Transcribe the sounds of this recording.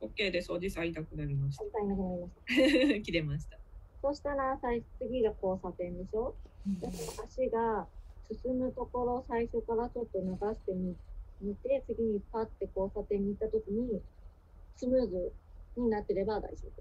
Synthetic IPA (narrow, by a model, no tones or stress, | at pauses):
okːe̞ːd̪e̞sod͡ʑisait̪akɯ̟naɾʲimaɕi̥ait̪ainakɯ̟naɾʲimaɕi̥t̪ḁkʲid̪e̞maɕi̥t̪aso̞ɕi̥t̪aɾasait͡sɨɡʲiɡako̞ːsat̪ẽ̞nd̪e̞ɕo̞d̪aked̪ohaɕiɡasɨsɨmɯ̟t̪o̞ko̞ɾo̞saiɕo̞kaɾat͡ɕo̞t̪ːo̞naɡaɕi̥t̪e̞mʲimit̪e̞t͡sɨɡʲiɲ̟i̥pat̪ːe̞ko̞ːsat̪ẽ̞ɲ̟ːiːt̪ːat̪o̞kʲiɲ̟i | sɨmɯ̟ːzɨɲ̟inat̪ːe̞ɾe̞bad̪a̰iso̰d̪e